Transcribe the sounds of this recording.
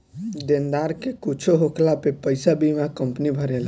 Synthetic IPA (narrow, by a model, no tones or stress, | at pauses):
d̪end̪aɾkekut͡ʃʰoɦoklapepəjsabimakəmpnibʱəɾel